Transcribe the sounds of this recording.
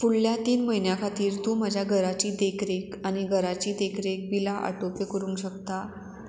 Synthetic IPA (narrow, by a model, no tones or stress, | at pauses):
fuɭljat̪iːnməɦinjakʰat̪iːɾt̪uːməd͡ʑʱjaɡʱəɾat͡ɕiːd̪ekɾekañiɡʱəɾat͡ɕiːd̪ekʰɾek̚bilaʔə̰ʈopekəɾũːŋkɕək̚t̪a